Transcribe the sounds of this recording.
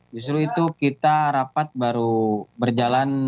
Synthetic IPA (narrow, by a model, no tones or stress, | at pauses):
d͡ʒust̪ɾuit̪ukit̪aɾapat̪̚baɾubərd͡ʒalan